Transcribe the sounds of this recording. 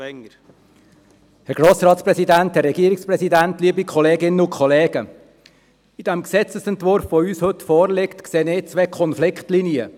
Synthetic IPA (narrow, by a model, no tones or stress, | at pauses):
hɛɾɡ̥ɾoːsɾɑːt̪spɾɛsidænthɛrːɛɡiəɾɪikspɾɛsidænt̪liːəbikʰɔleːɡɪnːəʊkʰχɔleːɡ̥ə | id̥ɛmksɛt͡səsɛnt̪ʋʊɾfʋoyːshɵt̪fɔːɾlɪkt̪kseːnɪːt͡sʋeːkʰɔnflɪkχtliniə